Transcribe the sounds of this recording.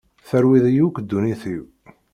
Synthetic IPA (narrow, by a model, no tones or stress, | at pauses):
θəɾwiðijukːd̪ːuniθiw